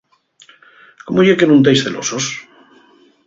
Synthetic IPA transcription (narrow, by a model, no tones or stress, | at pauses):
komoʝekenũnt̪ejsθelo̰sos